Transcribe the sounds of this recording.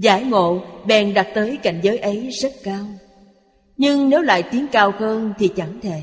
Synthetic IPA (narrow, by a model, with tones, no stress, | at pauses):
zaː˧˩jŋo̰˧˨ɓɛ˨˩nɗa˨˩t̚t̪əː˨˦jka̰˧˨jŋ̟zəː˨˦jʔə˨˦jzə˦˥t̚kaː˧w | ɲɨ˧ŋne˨˦wla̰ː˧˨jt̪i˨˦əŋkaː˧wxəː˧nt̪ʰi˨˩t͡ɕa˧˩ŋt̪ʰe˧˩